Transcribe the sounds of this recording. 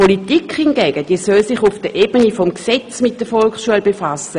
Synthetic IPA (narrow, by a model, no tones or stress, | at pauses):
politikhɪnɡ̥ɛːɡ̥əd̥iːəsœlsɪχʊfd̥əʔeːbənifɔmksɛt͡smɪt̚d̥əfɔlksʃuəlbefasə